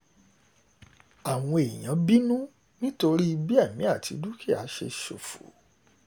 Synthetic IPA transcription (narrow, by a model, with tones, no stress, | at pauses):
a˨w̃ɔ̃˧e˨j̃ã˨˦bi˦nũ˦ | nĩ˦to˧ɾi˦i˧bi˦a˦˨mĩ˨˦a˦˨tʰi˧du˦kʰi˦˨a˨˦ʃḛ˧ʃo̰˨fo̰˨˦